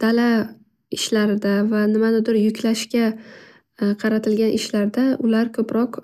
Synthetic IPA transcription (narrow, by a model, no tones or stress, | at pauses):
d̪̥ala | ɪʃlaɾɪd̪avanɪmanɪd̪ɪɾjʊkʲlaʃkʲa | qʰɑɾat̪ʰɪlɡʲanʔɪʃlaɾd̪aʊlaɾkʰɵpɾɒq